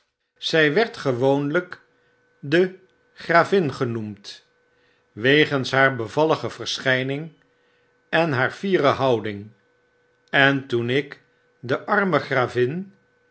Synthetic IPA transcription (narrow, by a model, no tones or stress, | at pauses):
z̥ɛjʋɛɹtχəʋownlək | də | χraːvɪnχənumt | ʋejχənsɦaːɹbəvɑləχəv̥əɹsχɛjnɪŋ | ɛnɦaːɹv̥iːrəɦɑwdɪŋ | ɛntunɪk | dəʔɑɹməχraːvɪn